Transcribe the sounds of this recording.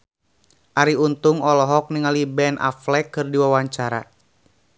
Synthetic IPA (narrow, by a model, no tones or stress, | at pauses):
ʔaɾiunt̪uŋɔlɔɦɔk̚niŋalibɛnʔa̰flɛkɨrdiwawaɲt͡ʃaɾa̰